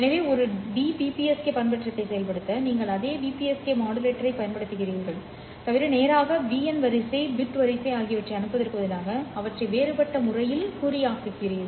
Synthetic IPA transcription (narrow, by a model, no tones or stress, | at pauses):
ɛnɐʋeːɔɾɯɖiːpiːpiɛskepɐjnpɐʈrɐt̪ːɐɪsɛjɐlpɐɽɯt̪ːɐniːŋɡɐɭɐðeːʋiːpiɛskemaːɽɯɾeːʈːɐɾɐɪpɐjɐnpɐɽɯt̪ːɯɣɪriːɾɣɐɭ | t̪ɐʋɪɾɐneːɾaːɣɐʋiːɐnʋɐɾɪsɐɪbɪʈːʋɐɾɪsɐɪaːɣɪjɐʋɐʈrɐɪɐnɯpːɐðɪɾɯkːʋɐðɪlaːɣɐɐʋɐʈrɐɪʋeːɾɯpɐʈːɐmʊrɐjɪlkʊɾɪjaːkːɯkːɪrɪjɐðɯ